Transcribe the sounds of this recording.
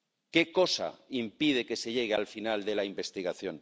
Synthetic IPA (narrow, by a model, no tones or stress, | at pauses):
ke̞ko̞sa̰impið̞eke̞se̞ʎe̞ɣealfinald̪e̞laimbe̞st̪iɣaθjo̞ŋ